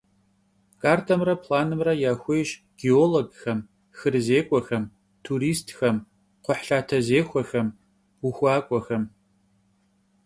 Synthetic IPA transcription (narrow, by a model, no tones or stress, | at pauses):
kʰʼaːrtʰɐmrɐpʰlaːnɨmrɐjaːxʷejɕ | ɡ̥ioːloɡxɐm | xɨrzeːkʷʼɔxɐm | tʰuːɾiːstʰxɐm | qʷʊħɬaːtʰɐzeːxʷɔxɐm | wuxʷaːkʷʼɔxɐm